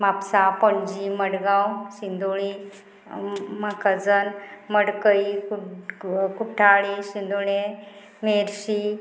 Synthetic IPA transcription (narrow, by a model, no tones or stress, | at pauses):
mapsapɔɳd͡ʑiməɽɡãwɕind̪uɭi | makəd͡zənməɽkəiku | kuʈʰaɭiɕind̪uɳe | meɾɕi